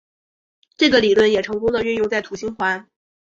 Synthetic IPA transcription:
ʈ͡ʂɤ˥˩ɡə˩li˨˩lwə˥˩njɛ˨˩ʈ͡ʂʰɤ˧˥ŋkʊ˥ŋd̪ə˨ɥy˥˧njʊ˥˧ŋt͡sa˥˩ɪt̪ʰu˨˩ɕi˥ŋxwa˧˥n

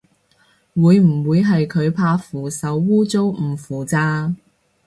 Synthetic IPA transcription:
wuː˨˧jm̩˨˩wuː˨˧jɦɐ˨jkʰɵ˨˧ɥpʰaː˧fuː˨˩sɐ˨˥wːuː˥t͡so˥wm̩˨˩fuː˨˩t͡saː˧

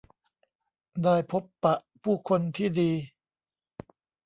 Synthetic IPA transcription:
daː˥˩jpʰo˦˥pːa˨˩ʔpʰuː˥˩kʰo˧nt̪ʰiː˥˩diː˧

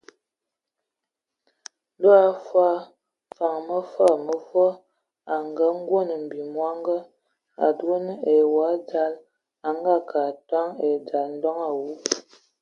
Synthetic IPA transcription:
do˦a˦fwa˦ | fa˨ŋmə˦fə˦˨mə˦fɔ˦ | a˨ŋɡə˦ŋ˦ɡwo˦˨nə˨m̩˨bi˨mwa˦ŋɡə˦ | a̰˨do˦nə˦e˨wa˨˦d͡ʒa˦l | a˨ŋɡa˦ka˨twa˦ŋe˨d͡ʒa˨ln̩˦dɔ˦ŋa˨wu˦

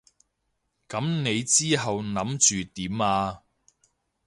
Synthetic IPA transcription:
kɐ˨˥mne˨˧jt͡siː˥ɦɐ˨wnɐ˨˥mt͡ʃyː˨t̪iː˨˥maː˧

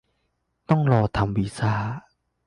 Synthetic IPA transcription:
t̪ɔ˥˨ŋlɔ˨˩t̪ʰa˨˦mbi˨˩saː˥˩

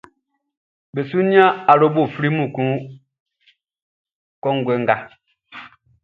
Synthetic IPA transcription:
be˨su˦ni˦a˦a˨ɾo˦bo˦˨fɾi˦mũ˨kũ˦ | kɔ˦ŋɡwɛ˨˦ŋɡa˨

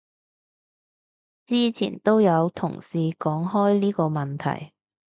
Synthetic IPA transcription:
t͡siː˥t͡sʰḭː˨˩nt̪o˥wjɐ˨˧wt̪ʰʊ̰˨˩ŋsiː˧kɔː˨˥ŋɦɔː˥jliː˥kɔː˧mɐ˨nt̪ʰɐ̰˨˩j

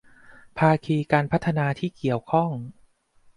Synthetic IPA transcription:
pʰaː˧kʰiː˧kaː˧npʰa˦˥t̪ʰːa˧naː˧t̪ʰiː˥˩ki˨˩əwkʰɔ˥˩ŋ

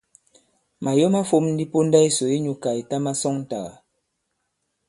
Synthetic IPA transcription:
ma˨jo˦ma˦fo˦˨mn̩˦di˦po˦n˦da˦i˦so˨i˦ɲu˨ka˨i˨ta˦ma˦sɔ˦ŋn̩˨ta̰˨ɣa̰˨

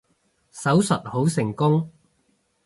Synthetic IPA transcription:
sɐ˨˥wsɐ˨t̚ho˨˥wsɪ˨˩ŋkʊ˥ŋ

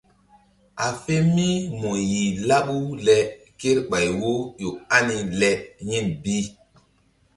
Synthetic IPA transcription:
ʔa˨fe˦mi˦mɔ˨ji˨la˦ɓu˦lɛ˨ | ke˦ɾɓa˨jwo˦jo˨a˦ni˨lɛ˦ɲi˦nbi˦

